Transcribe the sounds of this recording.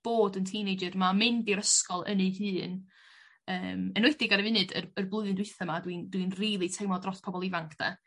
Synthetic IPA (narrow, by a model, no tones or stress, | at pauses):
b̥oːdəntʰiːnejd͡ʒərmamɪndiɾəskɔlˠə̰nejhɨːn | əːmənwɛdɪɡaɾɛvɨnɨdə̰rərblˠʊɨðɨndwɪθɔmadwindwinriːlˠitʰejmɔdrɔspʰɔbɔlˠɪvaŋkʰd̥a̰